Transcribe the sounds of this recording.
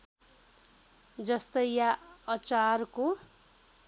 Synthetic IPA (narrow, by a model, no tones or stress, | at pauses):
d͡zʌst̪ʌjjaʌt͡sarko